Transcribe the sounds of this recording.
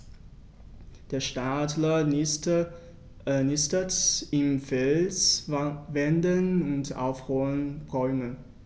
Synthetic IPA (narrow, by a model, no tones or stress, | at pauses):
d̥eːɐʃtatlɐ | nɪstətɪmfɛlsvɛndənʊnta̰ʊfʁuːənʁɔʏmən